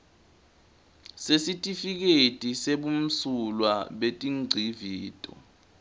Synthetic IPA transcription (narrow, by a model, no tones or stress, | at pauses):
sesitʼifik̬etʼiseɓum̩sulwaɓetʼiŋ͡ǀʱiviːtʼɔ̰